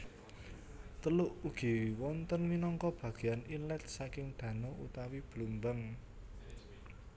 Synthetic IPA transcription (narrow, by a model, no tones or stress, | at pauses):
t̪əlʊʔuɡ̥i̤wɔnt̪ənminɔŋkɔb̥ä̤ɡ̥e̤janinlɛt̪̚sakɪŋd̪̥ä̤nout̪awib̥lumbəŋ